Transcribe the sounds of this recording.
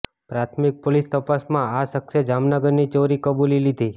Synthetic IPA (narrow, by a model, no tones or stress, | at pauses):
pɾat̪ʰmik̚polist̪əpasmãasəkʃad͡ʒamnəɡəɾnit͡ʃoɾikəbulilid̪ʱi